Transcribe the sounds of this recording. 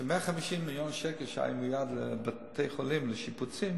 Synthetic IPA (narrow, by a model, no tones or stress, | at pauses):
ʃəmeaχamiʃimːijonʃɛkɛlʃa̰jumujad̪ləbat̪ʰejχolimləʃiput͡sim